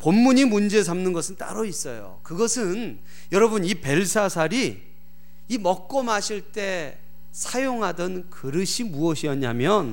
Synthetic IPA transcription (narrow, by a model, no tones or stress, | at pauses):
pomːuɲimund͡ʑe̞s̬ʰamnɯnɡʌsʰɯnt͈a̰ɾʌis͈ʌjo̰kɯɡʌsʰɯn | jʌɾʌbunipe̞ɭsʰasʰaɾiː | mʌk̚k͈ʌmaɕʰiɭt͈e̞ | sʰajoŋɦadʌnkɯɾɯɕʰimuʌɕʰiʌɲamjʌn